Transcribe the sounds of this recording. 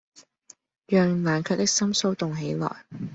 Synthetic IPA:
jœː˨ŋlaː˨˩nkʰœː˧k̚t̪ɪ˥k̚sɐ˥mso˥wt̪ʊ˨ŋɦe˨˥jlɔ̰ː˨˩j

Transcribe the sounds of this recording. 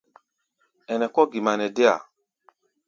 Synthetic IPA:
ɛ˨nɛ˨kɔ˦ɡi˨ma˨nɛ˨dɛ˦a̰˨

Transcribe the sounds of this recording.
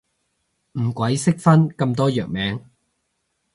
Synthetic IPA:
m̩˨˩kwɐ˨˥jsɪ˥k̚fɐ˥nkɐ˧mt̪̬ɔː˥jœː˨k̚mɛː˨˥ŋ

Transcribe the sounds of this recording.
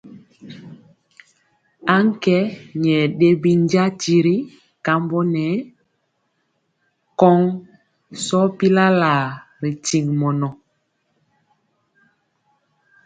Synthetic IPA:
a˦ŋ˦kɛ˦ɲɛ˨ɗe˦bi˦ɲ˦ɟa˦ti˦ɾi˦ | ka˦mbɔ˦nɛ˨˦ | kɔ˦ŋ | sɔ˦pi˦la˦la˨ | ɾi˨ti˨ŋmɔ˨nɔ˨

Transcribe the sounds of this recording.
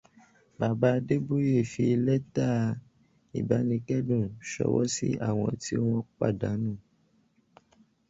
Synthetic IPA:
ba˨ba˨˧de˦bo˦je˦˨fi˧lɛ˦ta˦˨ | ḭ˨ba˨˦nĩ˧kɛ˦dũ˦˨ʃɔ̰˧˦wɔ̰˦sḭ˦a̰˦˨w̃ɔ̃˧ti˦o˦w̃ɔ̃˦k͡pa̰˦˨da˨˦nũ˦˨

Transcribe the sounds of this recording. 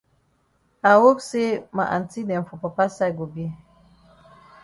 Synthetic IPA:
a˨wo˦kse˦ma˨ʔa̰˨nti˦dɛ˨m˨fu˨pa˨pa˦sa˦˨ɡo˨bi˦

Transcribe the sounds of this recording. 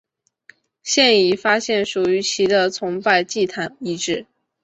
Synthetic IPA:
ɕjɛ˥˩ni˨˩fa˥ɕjɛ˥˩nʂu˨˩y˧˥t͡ɕʰi˧˥d̪ə˧t͡sʰʊ˧˥ŋpa˥˧ɪt͡ɕi˥˩t̪ʰa˧˥ni˧˥˧ʈ͡ʂɻ̩˥˩

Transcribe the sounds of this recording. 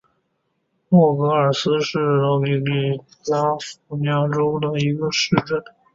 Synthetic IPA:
mwɔ˥˩kɤ˧˥ə˞˨˩sɹ̩˥ʂɻ̩˥˩ɻɑ˧˥˩li˧˩li˥˩t͡sa˥fu˥˩njɑ˥ŋʈ͡ʂo˥ʊd̪ə˨i˧˥ɡə˧ʂɻ̩˥˧ʈ͡ʂə˥˩n

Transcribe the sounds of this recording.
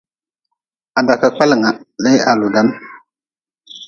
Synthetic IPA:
a˨da˨ka˨k͡pa˦lŋa˨le˦ja˨lu˨da˦n

